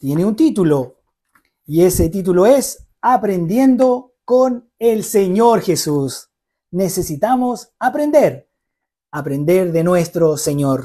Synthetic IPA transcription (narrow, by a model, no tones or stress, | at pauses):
t̪je̞neunt̪it̪ulo | ie̞set̪it̪̬uloe̞s | apɾe̞nd̪je̞nd̪o | kon | elseɲoɾxesus | nese̞sit̪amosapɾe̞nd̪eɾ | apɾe̞nd̪eɾðe̞nwest̪ɾoseɲoɾ